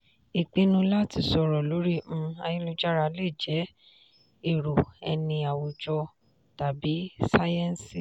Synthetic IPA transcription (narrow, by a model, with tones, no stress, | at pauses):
i˨k͡pe˧˦nũ˧la˦ti˧sɔ˧ɾɔ˨lo˨˦ɾĩ˦˨˧a˧jĩ˦lu˧d͡ʒa˦ɾa˧le˦˨d͡ʒɛ˨˦ | e˦˨ɾo˨ɛ̰˧nĩ˧a˨wo˧d͡ʒɔ˧ | ta˨bi˨˦sa˦jɛ˦n˦si˦˨